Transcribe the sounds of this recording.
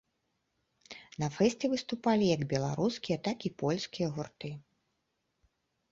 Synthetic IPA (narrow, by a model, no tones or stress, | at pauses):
nɐfɛsʲt͡sʲɛvɨst̪upalʲijɐɡbʲɛlˠaɾuskʲijɐt̪akipɔlʲskʲijɐɣurt̪ɨ